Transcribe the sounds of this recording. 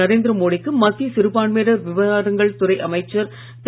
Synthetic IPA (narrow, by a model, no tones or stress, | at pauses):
ɐɾeːnd̪ɪɾɐmoːɽɪkːɯmɐt̪ːisɪɾɯpaːɳmeːɾɐʋɪʋɐɾaːɽɯŋɡɐɭt̪ʊɾɐɪʔɐmɐɪt͡ʃːɐɾ | t̪